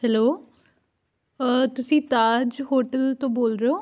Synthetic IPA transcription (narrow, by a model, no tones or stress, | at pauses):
hɛloː | t̪ʊsĩːt̪aːd͡ʒɦoːʈəlt̪õːboːlɾeoː